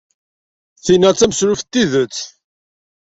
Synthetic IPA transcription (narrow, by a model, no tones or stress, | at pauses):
θinæt͡sːæməsɾʊft̪ːiðət͡sː